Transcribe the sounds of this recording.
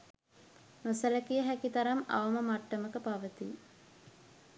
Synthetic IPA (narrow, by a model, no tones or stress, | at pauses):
mosələkijəɦækit̪aɾama̰ʋəməmaʈːəməkəpaʋət̪i